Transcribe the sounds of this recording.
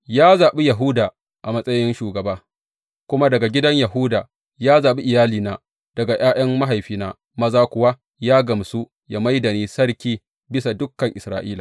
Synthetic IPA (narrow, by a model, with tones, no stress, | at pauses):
jaː˦zaː˨ɓi˦jɐ˨ɦʊ˦daː˨ | ʔa˨mɐ˦sʼɐ˦jɪ˦nʃuː˨ɡɐ˨baː˦ | kʷʊ˦ma˦dɐ˨ɡa˨ɡʲɪ˦dɐ˦ɲjɐ˨ɦʊː˦daː˨ | jaː˦zaː˨ɓi˦ʔɪ˨jaː˦liː˨naː˨ | d̥ɐ˨ɡa˨j̰aː˦j̰ʔɐ˦mːa˦ɦa˨jɸiː˦naː˦ | mɐ˦zaː˦kʷʊ˨wa˦ | jaː˦ɡɐ˨msu˦ | ja˨ma˦jdɐ˨niː˦sɐ˦ɽkʲiː˦ | bɪ˦sa˨dʊ˦kːɐ˨ŋʔɪ˨sɾa̰ː˦ʔiː˦laː˨